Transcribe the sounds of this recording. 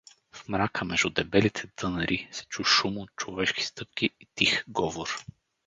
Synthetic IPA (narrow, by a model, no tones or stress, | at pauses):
fmɾakəmɛʒd̪ʊd̪ɛbɛlit̪ʰɛt̪ɤnəɾʔisɛ̥t͡ʃuʃumʊt͡ʃovɛʃki̥st̪ɤp̚kʲiːt̪ixɡɔvoɾ